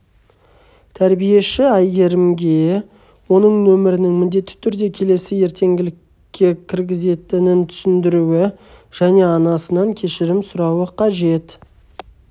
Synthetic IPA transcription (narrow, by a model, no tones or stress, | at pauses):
t̪ʰæɾbije̞ʃɪæjɡʲe̞ɾɪmɡʲe̞ | wo̞nəɴnɵmɪɾɪnɪŋmɪnd̪e̞t̪ːɪ̥t̪ʰʏɾd̪e̞kʲʰe̞le̞sɪje̞ɾt̪ʰe̞ŋɡʲɪlɪkʲː | e̞kʲʰɪɾɡʲɪze̞t̪ɪnɪnt̪ʰʏ̥sɪnd̪ɪɾuɪʒ̥æne̞ɑnɑsənɑŋkʲʰe̞ʃɪɾɪmsʊɾɑwəqʰɑʒe̞t̪